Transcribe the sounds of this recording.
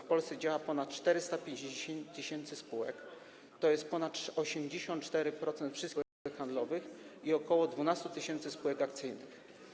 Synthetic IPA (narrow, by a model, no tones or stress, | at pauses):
fpɔlst̪sɛd͡ʑawapɔnat̪̚t͡ʂt̪ɛɾɘst̪apʲjeɲd͡ʑd͡ʑeɕɛt̪ːɘɕɛnt̪sɘspuwɛk | t̪ɔjɛst̪̚pɔnat̪ɔɕɛmd͡ʑeɕɔ̃nt̪̚t͡ʂt̪ɛɾɘpɾɔt̪sɛnt̪fʂɘs | ɛkxand̪lɔvɘxiɔkɔwɔd̪vunast̪ut̪ɘɕɛnt̪sɘspuwɛkak̚t̪sɘjnɘx